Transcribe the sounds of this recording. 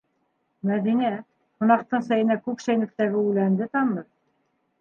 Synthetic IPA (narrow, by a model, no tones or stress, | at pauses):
mæðinæ | hŏnɑq̚t̪ɤɴsæjɘ̆nækʉpʃæjnɘ̆k̚t̪æɡɘʉlænd̪ɘt̪ɑnːɤɾ